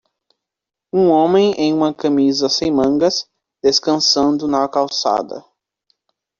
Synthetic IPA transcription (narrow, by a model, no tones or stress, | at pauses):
ũõmẽj̃ẽj̃ũmɐkɐ̃mizɐsẽj̃mɐ̃ŋɡɐs | d̪̥eskɐ̃sɐ̃nd̪ʊnɐkawsa̰d̪ɐ̰